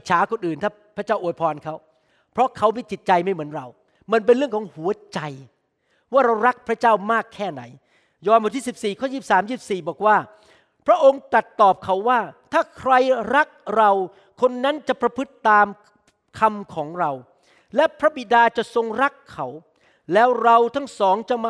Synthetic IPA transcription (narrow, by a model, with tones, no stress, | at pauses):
t͡ɕʰaː˩˦ko˨nʔɯː˨˩nt̪ʰaː˥˩pʰɾa˦˥t͡ɕaː˥˩ʔjpʰɔː˧nkʰa˦˥w | pʰɾɔ˦˥kʰa˦˥wma˧˥˩t͡ɕi˨˩t̪̚t͡ɕa˧jma˥˩jmɯ˩˦ənɾa˧w | ma˧npe˧nɾɯ˥˩əŋkʰɔː˨˦ŋhu˨˩˦ɐt͡ɕa˧j | waː˥˩ɾa˧wɾa˦˥k̚pʰɾa˦˥t͡ɕaː˥˩wmaː˥˩kʰːɛː˥˩na̰˩˦j | jɔː˧nmaː˨˩t̪ʰiː˥˩si˨˩p̚siː˨˩kʰɔː˥˩jiː˥˩saː˨˩˦mjiː˥˩si˨˩p̚siː˨˩bɔː˨˩k̚waː˥˩ | pʰɾa˦˥ʔo˧ŋt̪ɾa˨˩t̪ːɔː˨˩p̚kʰa˩˦˥wːaː˥˩t̪ʰaː˥˩kʰɾa˧jɾa˦˥k̚ɾa˧w | kʰo˧nːa˦˥nt͡ɕa˨˩pɾa˧pʰɯ˦˥t̪ːaː˧m | kʰa˧mkʰɔː˩˦ŋɾa˧w | lɛ˦˥pʰɾa˦˥bi˨˩daː˧t͡ɕa˨˩ʔso˧ŋɾa˦˥kʰːa˦˥w | lɛː˦˥wɾa˧wt̪ʰa˦˥ŋsɔː˩˦ŋt͡ɕa˨˩m